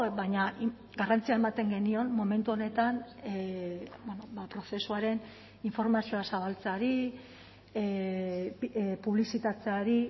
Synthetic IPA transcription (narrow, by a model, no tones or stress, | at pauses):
bajɲa | ɡarant͡siae̞mat̪e̞ŋɡe̞nio̞nmo̞me̞nt̪uo̞ne̞t̪an | bwonobapɾo̞se̞suaɾe̞n | iɱfo̞ɾmasio̞asaβ̞alt͡saɾi | puβlisit̪at͡se̞aɾi